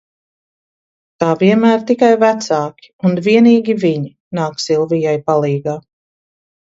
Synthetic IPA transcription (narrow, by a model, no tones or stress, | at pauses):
t̪aːviɛnmæːɾt̪ikajvæt̪saːkʲi̥unviɛniːɡʲiviɲi | naːksilˠvijajpalˠiːɡaː